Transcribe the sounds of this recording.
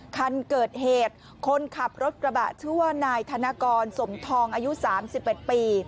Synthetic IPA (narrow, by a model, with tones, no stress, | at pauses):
kʰa˧nkɤː˨˩t̪̚heː˨˩t̪̚ | kʰo˧nkʰa˨˩p̚ɾo˦˥t̪̚kɾa˧ba̰˨˩ʔt̪ʰu˥˩ənaː˧jt̪ʰa˧naː˧kɔː˧nso˩˦mt̪ʰɔː˧ŋʔaː˧ju˦˥saː˩˦msi˨˩p̚ʔe˨˩t̪̚piː˧